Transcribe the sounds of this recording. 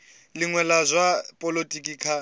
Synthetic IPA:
lɪŋwɛlazʷapʼɔlotʼikʼiːkʰa

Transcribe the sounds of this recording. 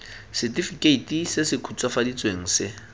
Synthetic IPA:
sɪtifikʼeitʼisɪsɪkʰut͡sʼwafadit͡sʼweŋ̩sɪ

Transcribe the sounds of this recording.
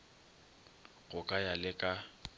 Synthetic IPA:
ɣʊkʼajalɪkʼa

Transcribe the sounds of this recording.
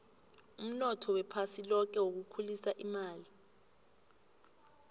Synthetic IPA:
um̩nɔtʰɔwɛpʰasilɔk̬ɛwok̬ukʰulisaʔimaːli

